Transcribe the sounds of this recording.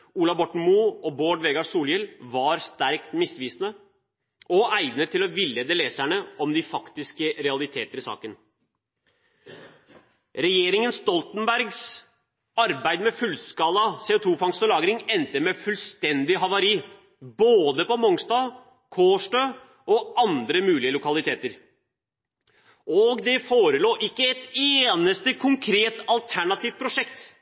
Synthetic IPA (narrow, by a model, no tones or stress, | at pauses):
uːlɑbɔʈɳ̩muɔboːɖʋeːɡɑsuːljɪlʋɑɾst̪æɾkt̪mɪsʋiːsnə | ɔʔæɪʋnət̪ʰːɪlɔʋɪlːɛd̪əleːsæɳəʔɔmd̪ɪfɑkt̪ɪskəɾɛɑlɪt̪ʰḛːt̪əɾɪsɑ̰ːkən | ɾɛjeːɾɪŋənst̪ɔlt̪nbæɾɡs | ɑɾbæɪd̪mɛfʉlskɑːlːɑseːʊt̪ʰuːfɑŋst̪əlɑːɡɾɪŋɛnt̪əmɛfʉlst̪ɛnd̪ɪɦɑʋɑɾiː | boːd̪əpɔmɔŋst̪ɑː | kʰoːʂʈøː | ɔɑnd̪ɾəmʉːlɪəlʊkɑlɪt̪ʰeːt̪əɾ | ʔɔɡd̪ɛfoːɾəloːʔɪkːəɛt̪eːnəst̪əkʰʊŋkʰɾeːt̪ɑlt̪ʰæɳɑt̪ʰiːft̪̚pʰɾʊʂɛkt̪